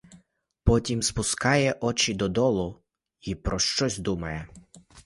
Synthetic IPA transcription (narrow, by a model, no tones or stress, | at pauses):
pɔtʲimspʊskɑjɛʔɔt͡ʃid̪ɔd̪ɔlˠʊ | ipɾɔʃt͡ʃɔzʲd̪umɐjɛ